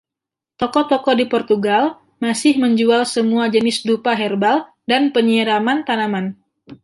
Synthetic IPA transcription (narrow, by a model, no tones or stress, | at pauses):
t̪ɔkɔt̪ɔkɔdipɔrt̪uɡal | masɪhməɲd͡ʒualsəmuad͡ʒənɪsdupaɦɛrbal | danpəɲiəɾamant̪anaman